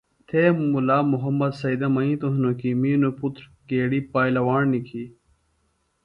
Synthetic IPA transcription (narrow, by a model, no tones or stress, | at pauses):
t̪ʰeːmulaːmuɦɐmːɐd̪sɐid̪ɐmɐĩːt̪oɦnokimiːnuput̪ɾkeːɽiːpaːjlɐwaːɳnikʰi